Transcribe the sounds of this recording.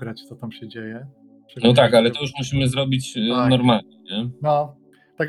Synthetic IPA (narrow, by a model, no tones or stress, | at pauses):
ɡɾat͡ɕt̪sɔt̪amɕɛd͡ʑejɛ | ʂɛnɔt̪akalɛt̪ɔjuʂmuɕimɘzɾɔbʲit͡ɕnɔɾmalɲɛɲɛnɔ | t̪ak